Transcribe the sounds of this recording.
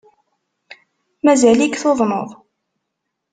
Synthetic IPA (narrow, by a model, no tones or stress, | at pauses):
mæzælikθoðˤnoðˤ